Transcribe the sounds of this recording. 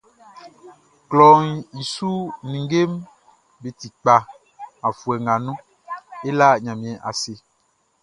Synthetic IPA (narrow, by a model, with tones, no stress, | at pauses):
klɔ˨ŋi˨su˦nĩ˨ŋɡe˦m | be˨t̪i˨k͡pa˨ | ã˨fu˨ɛ˨ŋɡa˨nũ˦ | e˦la˦ɲã˨mĩ˨ɛ̃˨ʔa̰˨se˨